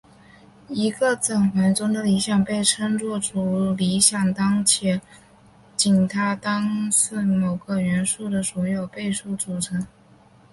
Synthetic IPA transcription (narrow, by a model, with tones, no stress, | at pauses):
i˧˥ɡə˧t͡sə˨˩ŋxwa˧˥nt͡sʊ˥ŋd̪ə˨˧li˧˥ɕjɑ˨˩ŋpe˥˩ɪʈ͡ʂʰə˥ŋt͡swɔ˥˩ʈ͡ʂu˨˥˩li˧˥ɕjɑ˨˩ŋt̪ɑ˥ŋt͡ɕʰjɛ˧˥ | t͡ɕi˨˩nt̪ʰa˥t̪ɑ˥ŋsɹ̩˥˩mo˨˩ʊɡə˦˧ɥɛ˧˥nʂu˥˩d̪ə˩swɔ˧˥jo˨˩ʊpe˥˧ɪʂu˥˩t͡su˨˩ʈ͡ʂʰɤ˧˥ŋ